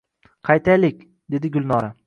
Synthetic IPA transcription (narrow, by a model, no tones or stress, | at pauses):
qʰɑjt̪ʰajlɪkʲ | d̪e̞d̪ɪɡʊlˠnɒɾa